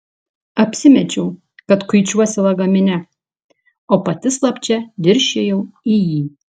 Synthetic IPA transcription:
ɐpʲsʲɪmʲɛt͡ʃʲɛʊ | kɐt̪kʊɪt͡ʃʲuɔsʲɪlˠɐɡɐmʲɪnʲɛ | oːpɐt̪ʲɪslˠɐpʲt͡ʃʲɛd̪ʲɪɾʲʃʲejɛʊijiː

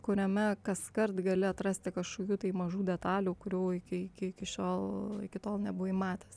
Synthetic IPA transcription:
kʊɾʲɛmʲɛkɐskɐrt̪ɡɐlʲɪɐt̪ɾɐsʲt̪ʲɪkɐʃkoːkʲuːt̪ɐɪmɐʒuːd̪ʲɛt̪ɑːlʲuːkʊɾʲuːɪkʲɪɪkʲɪɪkʲɪʃʲoːlˠɪ̰kʲɪt̪oːlˠnʲɛbʊʋiːmɑːt̪ʲeːs

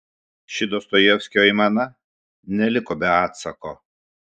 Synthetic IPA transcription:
ʃʲɪd̪oːst̪ojɛʊsʲkʲoːimɑːnɐ | nʲɛlʲɪkoːbʲɛɑːt̪sɐkoː

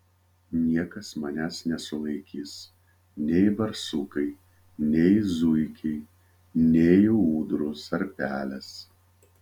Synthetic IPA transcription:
nʲiɛkɐsmɐnʲæːsnʲɛsʊlˠɐɪkʲiːs | nʲɛɪbɐɾsʊkɐɪ | nʲɛɪzʊɪkʲɛɪ | nʲɛɪuːd̪ɾʊsɐɾpʲæːlʲɛs

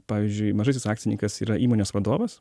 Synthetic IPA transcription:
pɑːʋʲiːzʲd͡ʒʲʊɪmɐʒɐɪs̬ʲɪsɑːkt̪sʲɪnʲiŋkɐsiːɾɐʔiːmoːnʲoːsʋɐd̪oːʋɐs

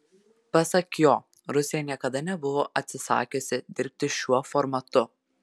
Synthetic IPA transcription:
pɐsɐkjoː | ɾʊsʲɪjɛnʲiɛkɐd̪ɐnʲɛbʊʋoːʔɐt̪ʲsʲɪsɑ̰ːkʲʊsʲɪd̪ʲɪɾʲp̚ʲt̪ʲɪʃʲuɔfɔɾmɐt̪ʊ

